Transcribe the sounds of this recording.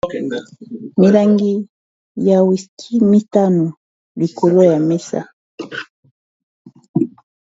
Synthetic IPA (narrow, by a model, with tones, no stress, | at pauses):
mi˨la˨ŋɡi˦ | ja˨wi˨skʰi˦mi˦ta˦no˨ | li˨ko˨lo˦ja˨mɛ˦sa̰˦